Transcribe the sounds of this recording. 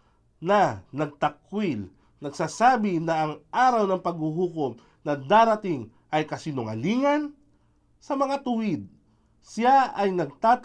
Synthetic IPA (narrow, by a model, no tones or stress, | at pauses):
nɐnɐɡ̚t̪ɐkwɪl | nɐɡsaːsaːbɪnɐʔːŋʔaːɾɐwnɐŋpɐɡ̚huɦuːkom | nɐd̪aːɾɐt̪ɪŋ | ʔɐjkɐsiːnʊŋɐ̰liːŋɐn | sɐmɐŋat̪ʊwɪd̪̚ | sɪjaʔɐjnɐɡ̚t̪aːt̪